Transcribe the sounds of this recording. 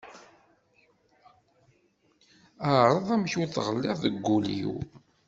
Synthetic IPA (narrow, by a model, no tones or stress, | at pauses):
əɾˤɑðˤæmçuθʁəlːɪʁðəɡːulḭw